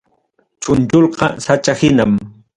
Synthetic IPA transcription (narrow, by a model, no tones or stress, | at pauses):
t͡ʃʊnt͡ʃolqɑ̰sat͡ʃahɪnam